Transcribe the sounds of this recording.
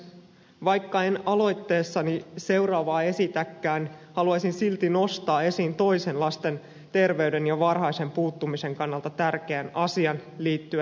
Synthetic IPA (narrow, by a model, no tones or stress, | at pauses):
ʋɑjkːɑe̞nɑlo̞jt̪ːe̞ːsːɑnise̞wɾɑːʋɑːe̞sit̪ækːæːnhɑluɑjsinsilt̪ino̞st̪ɑːe̞siːnt̪o̞jse̞nlɑst̪e̞n | t̪e̞rʋe̞yɥde̞njɑʋɑrhɑjse̞mpuːt̪ːumise̞ŋkɑnːɑlt̪ɑt̪ærk̟e̞ænɑsiɑnliːt̪ːyæ